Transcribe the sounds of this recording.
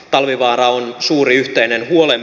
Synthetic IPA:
t̪ɑlʋiʋɑːrɑonsuːriyht̪einenhuolem

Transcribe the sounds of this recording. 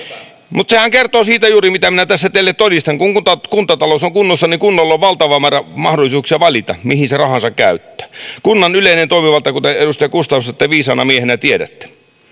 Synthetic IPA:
mut̪sehæŋkert̪oːsiːt̪æjuːrimit̪æminæt̪æsːæt̪elːet̪t̪odist̪ɑŋkuŋut̪ɑkunt̪ːɑt̪ɑlosoŋkunːosːɑniŋkunːolːoʋʋɑlt̪ɑʋɑmæːræmɑhdolisuːksiɑʋɑlit̪ɑ̰mihinserɑhɑnsɑkkæ̰yt̪ːø̥ːkunːɑnyleˑinent̪oˑimiʋɑlt̪ːˑɑkut̪eeɾust̪ɑjɑkust̪ɑnːust̪ɑet̪ːæʋiːsɑːnɑmiehenæt̪ieɾæ̰t̪ːe̥

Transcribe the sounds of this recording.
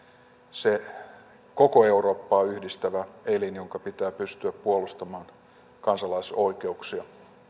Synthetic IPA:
se | kokoe̞uɾo̞ːpːɑːyhdist̪æʋæelinjoŋkɑpit̪æːpyst̪yæppuolust̪ɑmɑːn | kɑnsɑlɑiso̞ike̞uksiɑ

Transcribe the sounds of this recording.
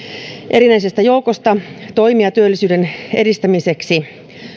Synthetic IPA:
ʔe̞ɾinæisest̪æjo̞ukost̪ɑt̪o̞imijɑt̪yølːisyːdenḛdist̪æmiseksi

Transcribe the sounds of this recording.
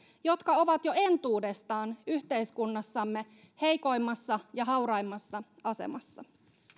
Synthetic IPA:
jo̞t̪kɑo̞ʋɑt̪jo̞e̞nt̪uːde̞st̪ɑːnyht̪e̞jskunːɑsːɑmːe̞ | he̞jko̞jmːɑsːɑjɑɦɑwɾɑjmːɑsːɑɑsḛmɑsːɑ̰

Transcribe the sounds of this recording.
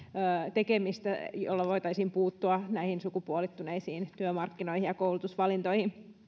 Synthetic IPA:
øːt̪ekemist̪æjo̰lːɑʋoit̪ɑisimpuːt̪ːuɑnæihinsukupuolit̪ːuneisiːnt̪yømɑrkːinoihijjɑkoulut̪usʋɑlint̪oihin

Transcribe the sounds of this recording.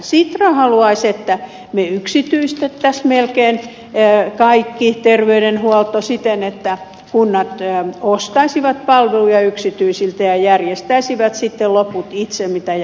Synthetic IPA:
sit̪rɑhɑluɑiset̪ːæ | meyksit̪yist̪et̪ːæsmelkeːn | kɑikːit̪erʋeydenhuɔlt̪osit̪enet̪ːæ | kunːɑt̪ːost̪ɑisiʋɑt̪̚pɑlʋelujɑyksit̪yisilt̪æjɑjærjest̪æisiʋæt̪sit̪ːeloput̪it̪semmit̪æj

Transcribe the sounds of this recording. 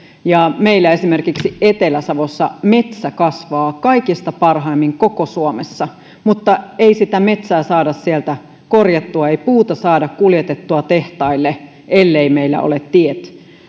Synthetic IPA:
jɑmeilːæe̞simerkiksiet̪elæsɑʋosːɑmet̪sækɑsʋɑːkɑikist̪ɑpɑrɦɑimːiŋkokosuomesːɑ | mut̪ːɑeisit̪æme̞t̪sæːsɑːdɑssielt̪æ | korjɑt̪ːuɑeipuːt̪ɑsɑːdɑkkuljet̪et̪ːuɑt̪eht̪ɑilːe | ʔelːeimeilːæ̰o̰let̪t̪iet̪

